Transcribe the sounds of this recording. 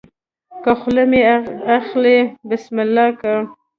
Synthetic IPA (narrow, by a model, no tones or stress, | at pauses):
kaxlemeaxlebɪsmɪlːɑka